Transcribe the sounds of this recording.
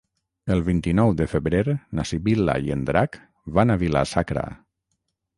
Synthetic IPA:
əlˠβint̪inɔwd̪əfəβɾeɾnasiβila̰jənd̪ɾak | βanaβila̰sakɾa̰

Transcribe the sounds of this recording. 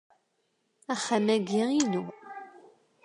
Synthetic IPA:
æχamæɡiʁinu

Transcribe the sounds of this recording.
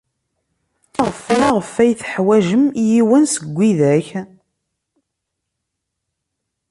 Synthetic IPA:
ʁəflaʁəfːæjθə̥ħwæʒəmjiwənsəɡʷːiðæç

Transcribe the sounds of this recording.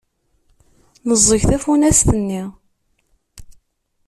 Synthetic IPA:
nəzˤːəçθæfunæst̪ənːi

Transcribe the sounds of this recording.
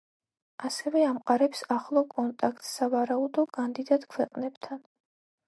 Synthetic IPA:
asɛvɛamqʼaɾɛpsaχlˠɔkʼɔnt̪ʼakʰt̪ʼsavaɾaud̪ɔkʼand̪id̪at̪ʼkʰwɛqʼnɛbt̪ʰan

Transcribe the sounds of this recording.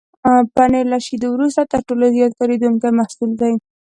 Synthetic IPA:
panelaʃid̪owɾust̪at̪əɾʈolazjɑt̪̚kaɾed̪uŋkamahsuld̪aj

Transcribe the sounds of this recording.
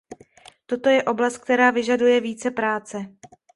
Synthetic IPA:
t̪o̞t̪o̞jɛʔo̞blast̪̚k̚t̪ɛɾaːvɪʒadujɛviːt͡sɛpɾaːt͡sɛ

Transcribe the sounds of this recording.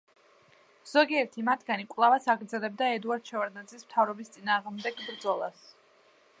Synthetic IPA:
z̥ɔɡiɛɾt̪ʰimat̪ʰɡanikʼvlˠavasaɡɾd̪zɛlɛbd̪aɛd̪uaɾd̪̥̚t͡ʃʰɛvaɾd̪ad̪zismt̪ʰavɾɔbist̪sʼinaːʁmd̪ɛɡbɾd̪zɔlˠa̰s

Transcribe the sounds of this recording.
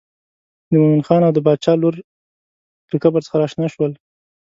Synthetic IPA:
d̪əmomɪnxɑnawd̪əbɑd̪̚t͡ʃɑloɾ | ləkabəɾt͡sə̥xaɾɑʃnɑʃwəl

